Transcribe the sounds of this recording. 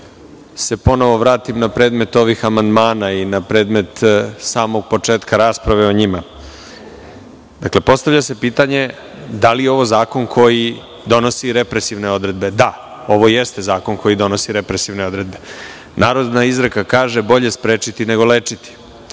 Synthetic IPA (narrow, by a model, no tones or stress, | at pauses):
se̞po̞no̞ʋo̞ʋɾaːt̪imnapɾeːd̪me̞t̪o̞ʋixamand̪maːnainapɾe̞ːd̪me̞t̪saːmoɡ̚po̞t͡ʂeːt̪kaɾaːspɾaʋe̞o̞ɲima | d̪akle̞po̞st̪aʋʎase̞piːt̪aɲe̞ | d̪alijeo̞ʋo̞zaːko̞nkʰo̞ji | d̪o̞no̞siɾe̞pɾesiʋne̞o̞d̪ɾe̞d̪be̞d̪a | o̞ʋo̞jest̪e̞zaːko̞nkʰo̞jid̪o̞no̞siɾe̞pɾesiʋne̞o̞d̪ɾe̞d̪̚be̞ | nʔaːɾo̞d̪naizɾəkakaːʒe̞bo̞ʎe̞spɾeːt͡ʃit̪ine̞ɡo̞leːt͡ʂit̪i̥